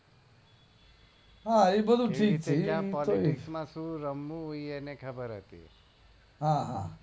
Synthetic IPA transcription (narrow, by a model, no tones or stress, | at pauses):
ɦãebəd̪ʱuʈʰiːkit͡ʃʰijãpɔliʈɪsmãsũɾəmːũoienekʰəbəɾɦə̰t̪ḭ | ɦãɦã